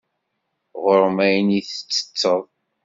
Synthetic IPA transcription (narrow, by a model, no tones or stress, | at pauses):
ʁəɾmæjniθə̥t͡sːə̥t͡sːəðˤ